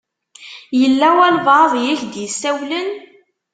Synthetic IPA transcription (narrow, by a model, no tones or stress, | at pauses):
jəlːæwælvɑðˤjiçd̪jəsːæwlən